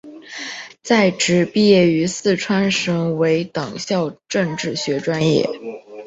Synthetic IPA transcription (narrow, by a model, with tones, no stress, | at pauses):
t͡sa˥˩ɪʈ͡ʂɻ̩˨˩pi˥˧jɛ˥˩y˧˥sɹ̩˥˩ʈ͡ʂʰwa˥nʂɤ˧˥ŋwe˧˥ɪt̪ɑ˨˩ŋɕjɑ˥˧ʊʈ͡ʂɤ˥˧ŋʈ͡ʂɻ̩˥˩ɕɥɛ˧˥ʈ͡ʂwa˥njɛ̰˥˩